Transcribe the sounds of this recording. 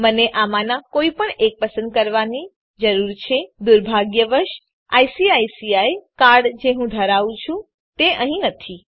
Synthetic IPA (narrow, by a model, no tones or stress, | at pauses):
məneʔamanakoipəɳek̚pəsə̃nd̪̚kəɾʋani | d͡ʒəɾuɾt͡ʃʰed̪uɾbʱaɡjəʋəɾʃ | a̰jsiajsiajkaɾɖd͡ʒeɦũd̪ʱəɾaʋũt͡ʃʰũ | t̪eəɦĩnət̪ʰi